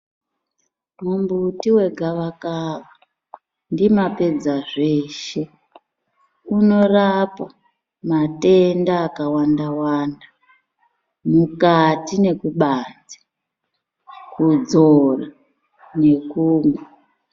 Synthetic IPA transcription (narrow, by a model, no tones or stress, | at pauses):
mumbutiwe̞ɡʱaʋakaʋa | ndimape̞d͡zaʐe̞ːʃe̞ | uno̞rapa | mate̞ndaːkawandawanda | mukatine̞kuɓaːd͡zi̥ | kud͡zora | ne̞kuːŋwa